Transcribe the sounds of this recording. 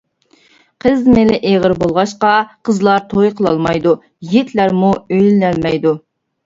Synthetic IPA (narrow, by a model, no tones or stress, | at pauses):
qʰəzmɪlɪʔeʁəɾbolˠʁɑʃqɑqʰəzlˠɑɾt̪ʰojqʰəlˠɑ̰lˠmɑjd̪u | jet̪ʰlæɾmuøjlɪlɛlmɛjd̪u